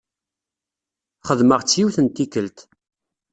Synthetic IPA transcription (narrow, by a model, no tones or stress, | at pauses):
χəðməʁt͡sːjiwθənt̪ːikəlt̪